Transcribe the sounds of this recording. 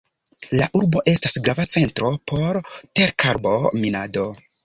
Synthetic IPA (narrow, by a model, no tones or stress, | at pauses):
laʔuɾbo̞ʔe̞stasɡɾavat͡se̞ntɾo̞pʰo̞ɾte̞ɾkʰaɾbo̞minado